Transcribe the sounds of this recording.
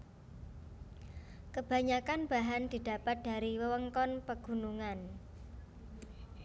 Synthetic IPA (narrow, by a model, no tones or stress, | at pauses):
kəb̥ä̤ɲakanb̥a̤ɦand̪̥i̤d̪̥ä̤pat̪̚d̪̥a̤ɾiwəwəŋkɔnpəɡ̥ṳnuŋan